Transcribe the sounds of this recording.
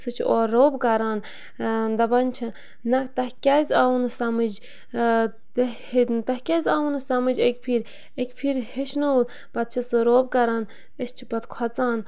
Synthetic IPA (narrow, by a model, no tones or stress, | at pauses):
sɨt͡ʃʰioːoːbkɐɾaːn | d̪ɐbɐnʲt͡ʃʰɐ | nɐkt̪ɐɦkʲaːzʲawunɨsɐmɨd͡ʒ | t̪ | t̪ɐɦkʲazʲawunɨsɐmɨd͡ʒek̚ʲpʰiːɾ | ekʲpʰiɾheʃnɐl | pɐt̪̚t͡ʃʰɐsɨɾoːbkɐɾaːn | əst͡ʃʰipɐt̪kʰɔt͡saːn